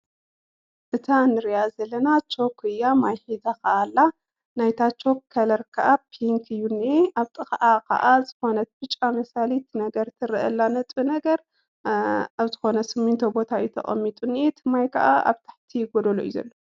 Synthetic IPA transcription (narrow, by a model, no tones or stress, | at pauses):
ʔɨt̪ʰanɨɾijazɐlːɐnat͡ʃʰo̞kʰɨjamajħizakɐʔalːa | najt̪ʰat͡ʃʰo̞kːʰɐlɐɾkʰɐʔapʰiŋkʰɨjːunːieʔaβt̪ʼɨxɐʔakʰɐ̰ʔazɨxo̞nɐt̪̚bɨt͡ʃʼːamɐsalit̪nɐɡɐɾt̪ʰɨɾɨʔɐlːanɐt̪ʼɨnɐɡɐɾ | aβzɨxo̞nɐsɨmunt̪ʰɐbo̞t̪ʰaɨjut̪ʰɐ̰χʼɐ̰mːit̪ʼunːiet̪ʰɨmajkʰɐʔaʔa̰βt̪ʰḁħt̪ʰijɪɡod̪ɐlo̰ʔḭzɐ̰lːo